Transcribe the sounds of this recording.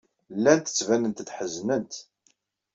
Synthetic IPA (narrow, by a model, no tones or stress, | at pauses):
lːænt̪ə̥t͡sːvænənt̪θħəznənt̪